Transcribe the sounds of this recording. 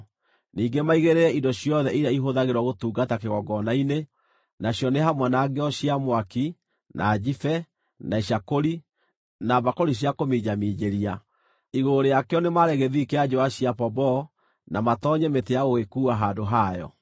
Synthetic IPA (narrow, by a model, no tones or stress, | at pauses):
niːŋɡemaiɣeɾeɾɛʔindɔɕijɔðɛʔiɾjaiɦoðaɣeɾwɔɣotuːɡatakeɣɔɡɔnaine | naɕjɔneɦamwanaɡeɔɕiamwaki | nʔa̰ːd͡ʒifɛ | naiɕakoɾi | nabakoɾiɕ̬jakomiɲamiɲeɾia | iɣoɾejakeɔnemaɾɛɣeðikead͡ʒoaɕiapɔbɔ | namatɔɲɛmetejaɣoɣekuːaɦaːdoɦajɔ̰